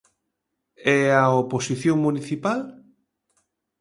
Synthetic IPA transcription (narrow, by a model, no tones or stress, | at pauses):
ɛaoposiθjoŋmuniθipal